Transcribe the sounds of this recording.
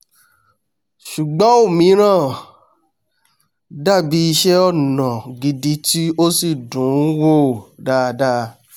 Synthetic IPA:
ʃu˨ɡ͡bɔ̃˨˦o˦˨mĩ˨˦ɾ̃ã˦˨ | da˦˨bi˧˦i˧ʃɛ˦ɔ˦˨nã˨ɡi˨di˨˦ti˦o˦si˦˨dũ˨˦wo˦˨da˦˨˧da˦˧

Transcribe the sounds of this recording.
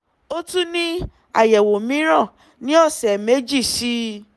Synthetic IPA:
o˦tu˦nĩ˦ | a̰˦˨jɛ˨wo˨mĩ˨˦ɾ̃ɔ̃˦˨ | nĩ˦ɔ˦˨sɛ˨me˨˦d͡ʒi˦˨ʃi˦

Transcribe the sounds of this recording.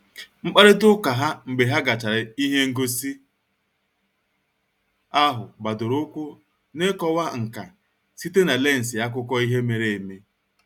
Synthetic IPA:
ŋ͡m̩˦k͡pa˦ɾɪ˦tʊ˦ka˨ɦa˦ŋ͡m̩˨ɡ͡be˨ɦa˦ɡa˨t͡ʃa˨ɾɪ˨i˦ɦe˦ŋ̩˦ɡo˦si˦ | a˦ɦʊ˨ba˨dʊ˨ɾʊ˦kʷo˦ | ne˦kɔ˦wa˦ŋ̩˨ka̰˨ | si˦te˦na˨le˦˨n̩˨sɪ˨ja˦k̬ʷʊ˦kɔ˦i˦ɦe˦me˨ɾe˦˨e˨me˦

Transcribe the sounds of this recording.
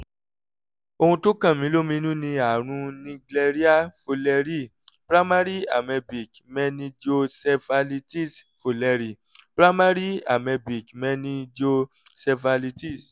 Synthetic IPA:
o˧hũ˧to˦kã˦˨mĩ˨˦lo˦˨mĩ˧˦nũ˦nĩ˧a˨ɾ̃ũ˧nĩ˧ɡlɛ˧ɾi˦a˦fo˧lɛ˧ɾi˦˨ | pɾa˦mã˦ɾi˦a̰˨mɛ˧bi˨kmɛ̃˦nĩ˧d͡ʒo˧sɛ˧fa˧li˧ti˦˨sfo˧lɛ˧ɾi˨ | pɾa˦ma˦ɾi˦a̰˨mɛ˧bi˨kmɛ̃˦nĩ˧d͡ʒo˧ | sɛ˧fa˧li˧ti˦˨s

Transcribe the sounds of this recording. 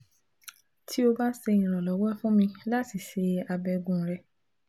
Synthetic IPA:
tʰi˦o˧ba˦se˧ĩ˨ɾ̃ɔ̃˨lɔ˨˦wɛ˦fũ˦mĩ˧la˦ti˦˨ʃe˨˧a˧bɛ˧ɡũ˦˨˦ɾɛ˧

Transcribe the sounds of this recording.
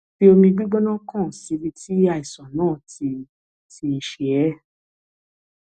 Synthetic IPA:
fi˦o˧mĩ˧ɡ͡bi˦ɡ͡bɔ˦nã˦kã˦˨si˨˦ɾi˧ti˦a˧i˨sɔ̃˨nãː˦˨ti˧ | ti˧i˧ʃɛ˨ɛ˨˦

